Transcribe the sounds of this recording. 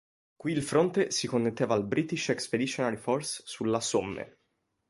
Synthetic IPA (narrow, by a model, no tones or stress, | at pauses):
kwiːlfɾont̪esikonːet̪ːeːvalbɾʔit̪iʃɛksped̪it͡ʃːonaɾiforsːulːasomːḛ